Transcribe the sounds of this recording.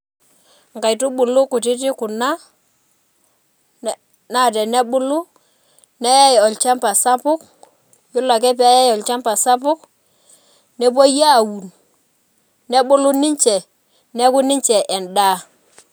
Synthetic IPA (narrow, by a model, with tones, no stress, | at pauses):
ŋ˨ka˨jtu˦ɓʊ˨lu˦ku˨ti˦t̬i˦ku˨na˦ | na˦˨tɛ˨nɛ˦ɓʊ˦lu˦ | nɛ˦ja˦jɔ˨lt͡ʃa˦mpa˨sa˦pʊ˦k̚ | ju˦la˨k̬ɛ˦p̬ɛ˦a˦ja˦jɔ˨lt͡ʃa˦mpa˨sa˦pʊ˦k̚ | nɛ˦bo˦ja˦˨wu˨n | nɛ˦ɓu˦lu˦ni˦ɲt͡ʃɛ˨ | nɛ˦ku˦ni˦ɲt͡ʃɛ˨ʔɛ˨ndaː˦